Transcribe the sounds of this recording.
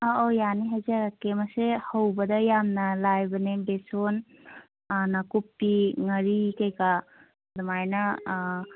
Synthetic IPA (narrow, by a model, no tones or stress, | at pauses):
aojaniɦajzaɾakemɐsehɐwbɐd̪ɐjamnɐlajbɐnebeson | nɐkup̚tiŋɐɾikejka | d̪umajnɐ